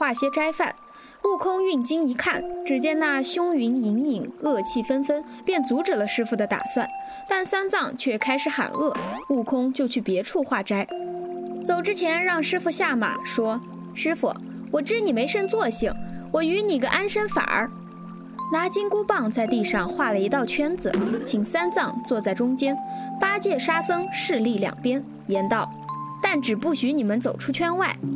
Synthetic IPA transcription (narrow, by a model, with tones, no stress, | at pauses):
xwa˥˩ɕjɛ˥ʈ͡ʂa˥ɪfa̰˥˩n | lu˥˩kʰʊ˥ŋy˥˩nt͡ɕi˥ŋi˧˥kʰa˥˩nʈ͡ʂɻ̩˨˩t͡ɕjɛ˥na˥˩ɕjʊ˥ŋy˧˥ni˧˥ŋi˨˩ŋɤ˥˧t͡ɕʰi˥˩fə˥nfə˥n | pjɛ˥˩nt͡su˧˥ʈ͡ʂɻ̩˨˩lə˦ʂɻ̩˥fu˧˩d̪ə˦t̪a̰˨˩swa̰˥˩n | t̪a˥˩nsa˥nt͡sɑ˥˧ŋt͡ɕʰɥɛ˥˩kʰa˥ɪʂɻ̩˧˥xa̰˨˩nɤ˥˩lu˥˩kʰʊ˥ŋt͡ɕjo˥˧ʊt͡ɕʰy˥˩pjɛ˧˥ʈ͡ʂʰu˥˧xwa˥˩ʈ͡ʂa˥ɪ | t͡so˨˩ʊʈ͡ʂɻ̩˥t͡ɕʰjɛ˧˥nɻɑ˥˩ŋʂɻ̩˥fu˧ɕja˥˩ma̰˨˩ʂwɔ˥ | ʂɻ̩˥fṵ˨˩ | wɔ˨˩ʈ͡ʂɻ̩˥ni˨˩me˧˥ɪʂə˥nt͡swɔ˥˩ɕi˨˩ŋwɔ˨˩y˧˥ni˨˩ɡə̰˦ʔa˥nʂə˥nfa̰˨˩ə̰˧˥ | na˧˥t͡ɕi˥ŋku˥pɑ˥˧ŋt͡sa˥˧ɪt̪i˥˧ʂɑ˥˧ŋxwa˥˩lə˩i˧˥t̪ɑ˥˩ʊt͡ɕʰɥɛ˥nd͡zɹ̩˨˩t͡ɕʰi˨˩ŋsa˥nt͡sɑ˥˧ŋt͡swɔ˥˧t͡sa˥˩ɪʈ͡ʂʊ˥ŋt͡ɕjɛ˥npa˥t͡ɕjɛ˥˩ʂa˥sɤ˥ŋʂɻ̩˥˧li˥˩ljɑ̰˨˩ŋpjɛ˥n | jɛ˧˥nt̪ɑ˥˩ʊt̪a˥˩nʈ͡ʂɻ̩˨˩pu˥˩ɕy˧˥ni˨˩mə˦nt͡so˨˩ʊʈ͡ʂʰu˥t͡ɕʰɥɛ˥nwa˥˩ɪ